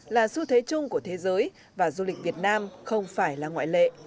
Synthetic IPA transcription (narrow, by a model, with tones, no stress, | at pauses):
laː˨˩su˧t̪ʰwe˨˦t͡ɕʊ˧ŋ͡mku˧˩ət̪ʰe˨˦zəː˨˦j | vaː˨˩zu˧lï˨˩k̟̚vi˨˩ət̚naː˧mxə˧wŋ͡mfaː˧˩jlaː˨˩ŋwa̰ː˧˨jlḛ˧˨